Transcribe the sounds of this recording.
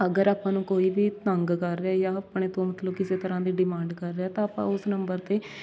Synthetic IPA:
əɡəɾaːpãːnũːkoːiːbiːt̪əŋɡkəɾːeaːjaːpɽeːt̪õːmət̪ləbkɪseːt̪əɾãːd̪iːɖɪmãːɳɖkəɾːeaːt̪ãːaːpã̰ːʊsnəmbəɾt̪eː

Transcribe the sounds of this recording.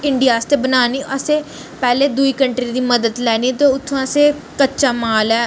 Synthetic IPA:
ɪɳɖɪijaːst̪eːbənaːniːʔəseː | pɛːleːd̪ʊiːkəɳʈɾiːd̪iːməd̪əd̪lɛːniːt̪oːʊt̪ʰːõːəseː | kətːʃaːmaːlɛː

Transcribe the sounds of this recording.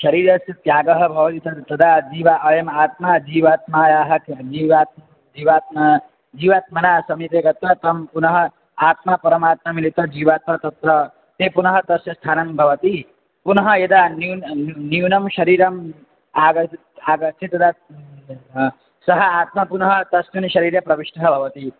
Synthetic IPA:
ʃɐɾiːɾɐsjɐt̪jaːɡɐɦɐbʱɐʋɐt̪it̪ɐt̪ɐd̪ʱad͡ʒiːʋaʔɐjɐmaːt̪mad͡ʒiːʋaːt̪majaːɦɐkd͡ʒiːʋaːt̪̚ | d͡ʒiːʋaːt̪̚ma | d͡ʒiːʋaːt̪̚mɐnasɐmit̪ekɐt̪ɐt̪ɐmpunɐɦʌ | aːt̪mapɐɾɐmaːt̪mamilit̪ɐd͡ʒiːʋaːt̪̚mat̪ɐt̪ɾʌ | t̪epunʌɦʌt̪ʌsjʌst̪ʰaːnɐmbʱʌʋʌt̪i | punʌɦʌjed̪aniniunʌmʃʌɾiːɾʌm | aɡt̪aːɡʌsʰit̪ɐd̪a | sʌɦʌat̪mapunʌɦʌt̪ʌsmunʃʌɾiɾjʌpɾʌbiʃʈɐɦʌbʱʌʋʌt̪i

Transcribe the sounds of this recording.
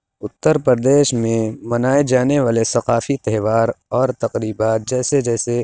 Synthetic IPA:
ʊt̪ːəɾpɾəɾd̪eːʃmẽmɐnaːed͡ʒaːneʋaːlesɐqaːfit̪ɛɦːʋaːɾɔːɾt̪ɐqɾiːbaːt̪̚d͡ʒɛːsed͡ʒɛːse

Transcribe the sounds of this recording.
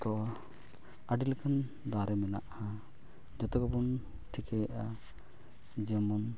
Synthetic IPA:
t̪ɔ | aɖilkʰan | d̪aɾɛmɛna̰ʔa | d͡ʒɔt̪ɔɡɔbɔn | ʈʰikɛjaʔa | d͡ʒɛmɔn

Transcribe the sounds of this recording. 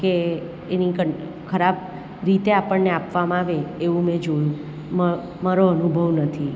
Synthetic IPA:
keː | nikəɳ | kʰəɾab | ɾit̪eapəɳneapʋamãaʋeːũmɛ̃d͡ʒojũ | m | maɾoənubʱəʋnət̪ʰi

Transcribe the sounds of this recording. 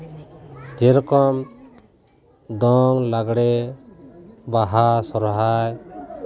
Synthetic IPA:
d͡ʒɛɾkɔm | d̪ɔŋlaɡɽɛ | baɦasɔɾɦaj

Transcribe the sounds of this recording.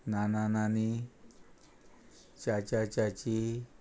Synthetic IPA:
nananani | t͡ʃat͡ʃat͡ʃat͡ʃi

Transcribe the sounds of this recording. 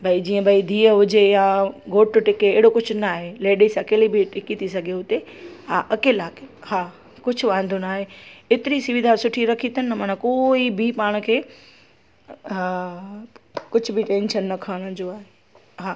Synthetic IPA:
bʱaid͡ʑiːə̃bʱɐid̪ʱiːəɦʊd͡ʑejaɡʱoːʈʊʈɪkeeːɽokʊd͡ʑʰʱʊnaːɦeleːɖisãkeːlibʱiʈkit̪isɐɡʱeʊt̪eɦaːʔɐkeːlaːkehaː | kʊd͡ʑʰʊʋãːnd̪ʱunaːɦeeːt̪ɪɾisʊʋɪd̪ʱasʊʈʰiɾɐkʰit̪ənːmaːnãkoːibʱipaːɽ̃kʰeː | kʊd͡ʑʰʱʊbʱiʈẽːnʃənːɐkʰaːɽ̃əd͡ʑoaːɦe | ɦaː

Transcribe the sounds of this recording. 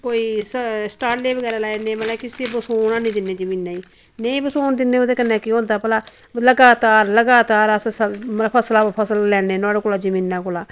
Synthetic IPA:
koːiːssʈaːɾʈleːbəɡɛːɾaːlaːenẽːməlɛkɪsibəsoːnãːnĩːd̪ɪnːeːd͡ʒəmiːnːaːiː | neiːbəsoːnd̪ɪnːeːod̪eːkənːɛ̃ːkiɦõːnd̪aːpəlaː | ləɡaːt̪aːɾləɡaːt̪aːɾəsspʰəslaːpʰəsəllɛːneːnaːɽekʊlaːd͡ʒəmĩːnːaːkʊlaː

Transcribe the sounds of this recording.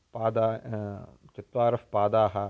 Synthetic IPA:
paːd̪aː | t͡ʃit̪ʋaːɾɐfpaːd̪aːɦɐ

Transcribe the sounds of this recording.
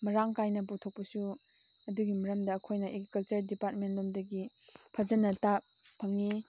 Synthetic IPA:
mɐɾaŋkajnɐp̬utʰok̚pɐsu | ɐduɡimɐɾɐmdɐːkʰojnɐʔekɐlt͡ʃɐɾdipat̚menlomdɐɡi | pʰɐzɐnɐta | pʰɐŋːi

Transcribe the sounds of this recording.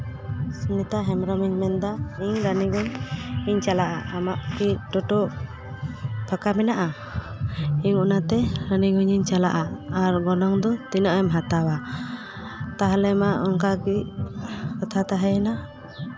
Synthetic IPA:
sunit̪aɦɛmɾɔmiɲmɛnd̪aiɲɾaniɡuɲiɲt͡ʃalaʔaʔamaʔkiʈɔʈɔ | pʰəkamɛnaʔa | iɲunat̪ɛɾaniɡuɲiɲt͡ʃalaʔaaɾɡɔnɔŋd̪ɔt̪inɔʔɛmɦat̪awa | t̪aɦalɛmaʔɔŋkakiʔ | kɔt̪ʰat̪aɦɛna

